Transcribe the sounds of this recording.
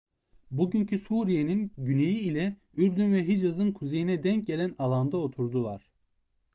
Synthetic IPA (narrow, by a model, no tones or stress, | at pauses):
buɟyncʰysuːɾijeninɟynejiːlʲɛ | yɾbd̪ynvɛɦid͡ʒazɯnkʰuze̞jinɛd̪ɛɲc̚ɟelʲænalˠand̪ao̞t̪ʰuɾd̪ulˠaɾ̥